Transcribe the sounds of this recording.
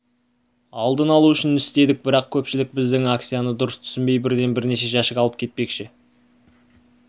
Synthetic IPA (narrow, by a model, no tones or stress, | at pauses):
ɑlˠd̪ənɑlˠuʏʃɪnɪst̪e̞d̪ɪk̚bɪɾɑq̚kʲʰɵpʃɪlɪk̚bɪzd̪ɪŋak̚t̪sijanəd̪ʊɾəst̪ʰʏ̥sɪmbe̞jbɪɾd̪e̞nbɪɾne̞ʃe̞ʒɑʃəkɑlˠəp̚kʲʰe̞t̪̚pe̞kʃɪ